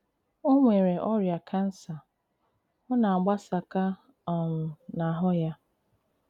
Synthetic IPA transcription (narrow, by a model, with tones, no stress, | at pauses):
o˦ŋʷe˨ɾe˨ʔɔ˦ɾja˨kʰa˦n̩˦sa˨ | ʊ˦na˨ɡ͡ba˦sa˨ka˦ | a˨m̩˨na˨ɦʊ˦ja˦